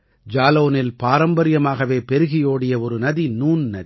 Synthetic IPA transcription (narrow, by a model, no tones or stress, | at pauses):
d͡ʒaːloːnɪlpaːɾɐmbɐɾɪjɐmaːɣɐʋeːpɛɾɯɣɪjoːɽɪjɐɔɾɯnɐðinuːnnɐ̰ði